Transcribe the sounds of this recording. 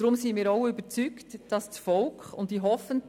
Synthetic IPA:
ɾʊmsɪnmiːɾoʊybəɾt͡syktd̥ɑsdsfɔlkʊntːiːɦɔfənt

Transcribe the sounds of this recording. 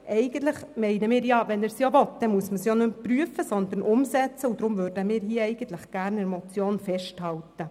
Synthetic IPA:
ʔɛɪɡ̥ənt̪lɪχmɛɪnəmɪːɾjɑːvɛnæːɾsjoʋɔtd̥ɛnmuəsməsjonømpryəfəsɔnd̪ənʔʊmsɛt͡səud̥̪ɾʊmvøɾdəmiːɾɦiːəɛɪɡ̥ən̩t̪lɪχɡ̥æɾnɛɾmɔt͡sjoːnfɛʃthɑltə

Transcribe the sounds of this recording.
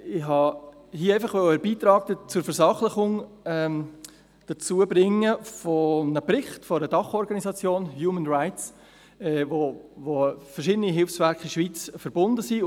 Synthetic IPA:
ɪhɑ | hiəeɪfɑχʋœwəɛɾbiːt̪ɾɑːk̚tət͡sʊɾfəɾsɑχləχʊŋ | ɛm | d̥ət͡suəbɾɪŋːəfɔnəprɪχtfɔɾədɑχɔɾɡɑnisɑt͡sjoːnjuːmənraɪtt͡s | ɛvovofərʃɪdəniɦɪlfsvɛɾkiʃʋiːt͡sfəɾbʊndəsi

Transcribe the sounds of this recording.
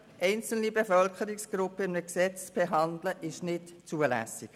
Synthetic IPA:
ʔɛɪnt͡sl̩nibefœlkəɾiksɡ̥ɾʊpəɪmnəksɛt͡st͡sb̥eɦɑndləʔɪʃnɪtt͡suəlæ̰sɪk

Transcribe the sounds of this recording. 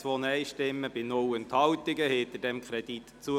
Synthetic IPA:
ʋɔnɛɪʃtɪmːəbɪnʊwənt̪hɑwtɪɡəhɪt̪əd̥ɛmkʰɾɛd̥it̪t͡suə

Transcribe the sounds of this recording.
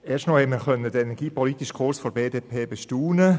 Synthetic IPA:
ɛːstnɔhɛtməɾχœnədəenɛɾɡ̥iːpɔlitiʃkʰʊɾsfɔɾbeːdeːpʰeːbeʃtuːnə

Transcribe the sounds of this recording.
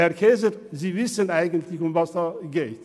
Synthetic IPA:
hɛɾkʰeːzəɾziːvɪsənaɪɡəntlɪçʊmvɑsd̥ɑːɡeːt

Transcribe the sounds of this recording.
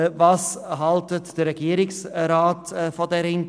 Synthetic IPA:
vɑːsɦɑltətd̥əɾɛɡiəɾɪksɾaːtːfodɛɾɪn

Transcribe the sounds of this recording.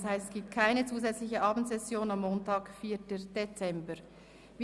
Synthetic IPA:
shaɪstsɡ̥iːp̚tkʰaɪnət͡suːzɛt͡slɪçəʔɑːbn̩tsɛsjoːnamːoːntɑːkfiːɐtəd̥et͡sɛmbə | v

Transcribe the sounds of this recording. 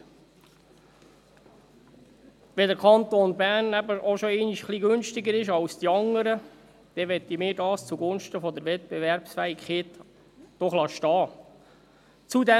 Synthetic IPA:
ʋɛd̪əɾkʰɑnt̪onbæːɾnæbəʔoʃɔɛɪniʃχliɡɵnʃtɪɡəɾɪʃɑwsd̥iɑŋːəɾə | d̥ɛʋɛt̪ːimɪːɾdɑːst͡suɡʊnʃtəfɔd̪əɾʋɛt̪̚b̥eʋɛɾpsfæikχet̪ | d̥ɔχlɑʃtɑː | t͡sud̪ɛ

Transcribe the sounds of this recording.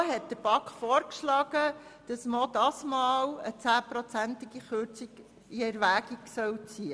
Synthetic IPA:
ɦɛt̚d̥əɾb̥ɑkχfɔːɾkʃlɑːɡ̥əd̥ɑsmod̥ɑsmɑːwət͡sæːpɾɔt͡sæntɪɡ̥iχøːɾt͡siɡ̥ | iɛɾʋæːɡiɡsœwt͡siə

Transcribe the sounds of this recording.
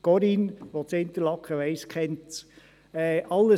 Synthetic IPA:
ɡ̥ɔɾinʋot͡sɪnt̪əlɑkʰəʋɛɪskʰɛnt | ɛʔɑlːə

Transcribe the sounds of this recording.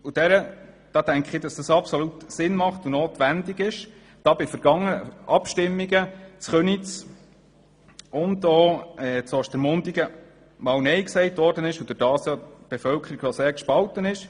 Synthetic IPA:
ud̥ɛɾə | d̥ɑːtæŋkχɪd̥ɑsd̥ɑsɑpsɔlutsɪnmɑχtunoːt̪ʋændɪɡɪʃ | d̥ɑːbɪfəɾɡ̥ɑŋːəʔɑpʃtɪmːiɡət͡sχœnit͡s | ʊndoːɛt͡sɔʃtɛɾmʊndiɡə | mɑːlnɛjksɛɪtʋɔːɾdənɪʃʊd̥ʊdɑːsjɑb̥ɛfœlkʰəɾiɡ̥ʋɔseːɾkʃpɑltənɪʃ

